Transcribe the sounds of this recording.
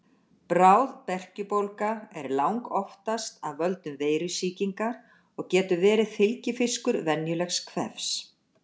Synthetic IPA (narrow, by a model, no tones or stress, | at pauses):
pɾaːwðpɛr̥cʏpowlkaɛɾlawŋkɔft̪ast̪aðvœlt̪nʏmveːjɾʏsiːciŋkaɾ | ɔɣcɛːt̪ʏvɛːɾɪðfɪlcɪfɪskʏɾvɛnjʏlɛxskʰvɛ̰fs